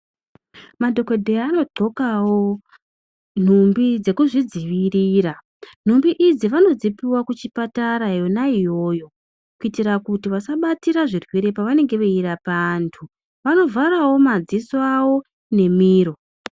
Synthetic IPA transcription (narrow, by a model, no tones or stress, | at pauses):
madʱo̞ke̞dʱeaːno̞ǃo̞kawo̞ | n̤umbid͡ze̞kuʐid͡ziʋiriːɾa | n̥̤umbiʔid͡ziʋano̞d͡zipiwakut͡ʃipataɾajo̞naijo̞ːjo̞ | kuitiɾakutiʋasaɓatiɾaʐirwiɾe̞paʋane̞ŋɡe̞ʋeiɾapantʰu | ʋano̞vʱaɾawo̞mad͡zisoawo̞ | ne̞miːɾo̞